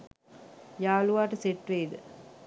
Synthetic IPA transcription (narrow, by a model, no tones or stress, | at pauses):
jaːluʋaːʈəseʈʋeːid̪ə